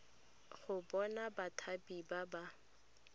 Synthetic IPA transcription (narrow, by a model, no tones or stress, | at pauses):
χʊbɔnabatʰabibaba